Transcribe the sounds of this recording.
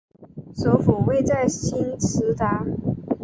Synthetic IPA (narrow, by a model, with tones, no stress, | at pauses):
so˧˥ʊfu˨˩we˥˧ɪt͡sa˥˩ɪɕi˥nt͡s̩ʰ˥t̪a˥˩